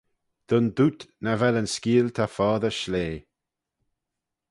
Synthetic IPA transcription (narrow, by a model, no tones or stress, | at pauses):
d̪̥ʊnd̪ut̪nəvɛlənskiːlt̪ʰafɔːðəʃleː